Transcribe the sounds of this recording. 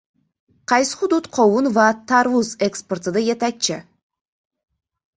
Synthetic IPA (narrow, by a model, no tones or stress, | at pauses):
qʰɑjsɨ̥χʊd̪ut̪qʰowunvɑt̪ʰɑɾvuzeksport̪ɨd̪ajet̪æk̚t͡ʃɪ